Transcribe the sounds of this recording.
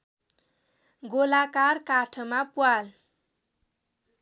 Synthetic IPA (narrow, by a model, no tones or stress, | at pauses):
ɡolakaɾkaʈʰəmapual